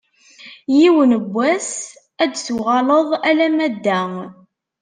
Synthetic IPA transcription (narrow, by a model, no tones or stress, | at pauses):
jiwənəbʷːæs | æd̪suʁɑləðˤælæmæd̪ːæ